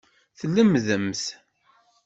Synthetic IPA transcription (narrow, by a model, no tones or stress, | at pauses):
θlːəmðəmθ